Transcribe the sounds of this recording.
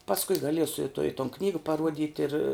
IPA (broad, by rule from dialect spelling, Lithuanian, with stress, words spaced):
pɐsˈkʊɪ ɡɐˈlʲiɛsʊ ɪ toː ɪ toːn ˈknʲiːɡɐ pɐˈruɔdʲɪtʲ ɪr